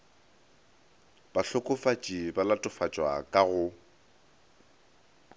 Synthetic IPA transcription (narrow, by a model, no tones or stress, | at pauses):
b̥aɬʊkʼʊfat͡ʃʼibalatʼʊfat͡ʃʼwakʼaɣʊ